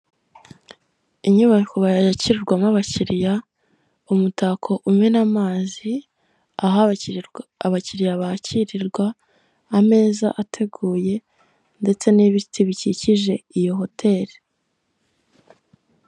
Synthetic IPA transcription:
iɲuβaɾikuβajajaciɾiɾɡwamaβaciɾija | umutakʰo̞ʔume̞namaːzi | aɦa | aβaciɾijaβacʰiɾiɾɡwaː | me̞ːza̰ʔatʰe̞ɡuːje̞ | nde̞t͡se̞niβitiβiciciʒe̞ijo̞ɦo̞tʰe̞ɾi

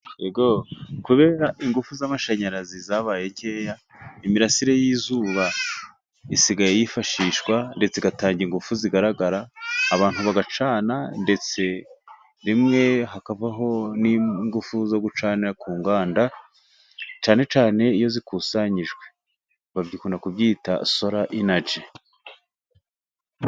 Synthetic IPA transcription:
e̞ɡo̞kuβe̞ːɾaʔiŋɡufuzamaʃaɲaɾazizaβaːje̞ɲcʰeːja | imiɾasiɾe̞jiːzuːβa | isiɡajejifaʃiːʃkwande̞t͡seɡataːɲɟiŋɡufuziɡaɾaɡaɾaːβaːn̥huβaɡat͡ʃaːnande̞t͡se̞ | ɾimŋe̞ɦakavaɦo̞niŋɡufuzo̞ɡut͡ʃaːniɾakuːŋɡaːnda | t͡ʃaːnet͡ʃaːne̞ijo̞zikusaɲiʒɡwe̞̥ | βaβɟikuːndakubɟiːta̰so̞ɾaʔinad͡ʒe

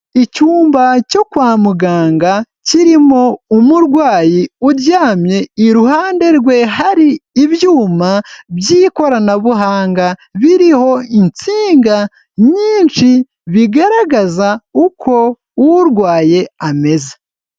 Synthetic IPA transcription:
icuːmbaco̞kwaːmuɡaːŋɡa | ciɾimo̞umuɾɡwaːjiuɾɟaːmɲe̞iɾuɦaːnde̞ɾɡwe̞haɾiːβjuːmaβjiːko̞ɾanaβuɦaːŋɡaβiɾiho̞int͡siːŋɡa | ɲiːnʃi | βiɡaɾaɡazaukʰo̞ | uuɾɡwaːje̞ame̞ze

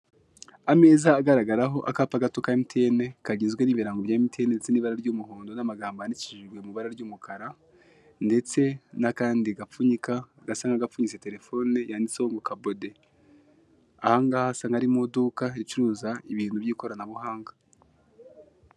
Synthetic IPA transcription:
ame̞ːzaːɡaɾaɡaɾaɦo̞ʔa̰kapaɡato̞kajimitʰe̞ːne̞kaɟizɡwe̞niːβiɾaːŋɡovjaːmitʰe̞ːnendet͡seniːβaɾaɾɟuːmuhoːndo̞namaɡaːmbaaniciʒiɡwemuβaɾaɾɟuːmukʰaɾa | nde̞t͡se̞nakaːndiɡap͡fuɲika | ɡ̥asaŋɡaɡafuɲit͡se̞te̞ɾe̞fo̞ːne̞jandisehoŋɡokabo̞de | ahaŋɡahasaŋɡaɾimodukait͡ʃuɾuːzaiβiːn̥hubjiːkoɾanaβuhaːŋɡa

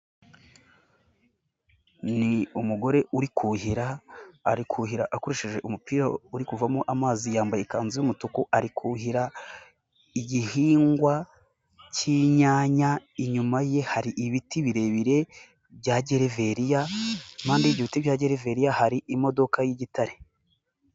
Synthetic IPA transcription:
niumuɡo̞ɾe̞uɾikʰuhiɾaːɾikʰuɦiɾaʔako̞ɾe̞ʃe̞ʒe̞ʔumupiːɾauɾikuvamuʔamaːzijaːmbajekaːnzijumutukuʔaɾikʰuɦiɾa | iɟihiːŋɡwa | ciɲaːɲaiɲumaje̞haɾiʔiβitiβiɾe̞βiɾe̞ | βjaːɟeɾeve̞ɾijamaːndiβɟiβitiβjaːɟeɾe̞ve̞ɾijahaɾiʔimo̞do̞kajiɟitaɾe̥

